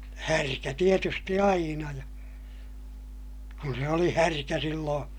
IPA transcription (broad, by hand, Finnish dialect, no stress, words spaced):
hærkæ tietysti ɑinɑ jɑ kun se oli hærkæ silːõː